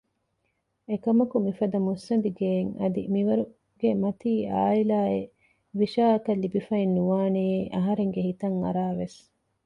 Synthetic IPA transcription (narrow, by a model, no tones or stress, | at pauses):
ekɐmɐkumifɐd̪ɐmusːɐb̪iɡeːŋɐ̰d̪ḭmiʋɐɾu | ɡ̥emɐt̪iːa̰ːilaːe | ʋiʃaːɐkɐlːibifɐinːuʋaːneːeʔɐɦɐɾeŋɡehit̪ɐŋɐ̰ɾaːʋes